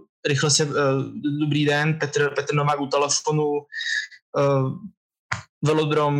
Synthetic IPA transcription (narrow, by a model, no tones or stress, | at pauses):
ɾɪxlɛsɛ | dobɾiːdɛnpɛt̪ɾpɛt̪ɾ̩novaːkut̪ɛlɛfonu | vɛlod̪ɾom